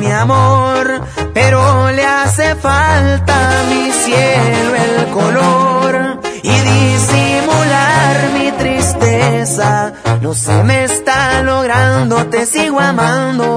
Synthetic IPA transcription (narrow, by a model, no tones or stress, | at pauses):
miamoɾ | pe̞ɾolease̞falt̪amisjeluelkoloɾiðisimulaɾmit̪ɾist̪esa | no̞sḛme̞st̪alo̞ɣ̞ɾand̪o̞t̪e̞siɣwamand̪o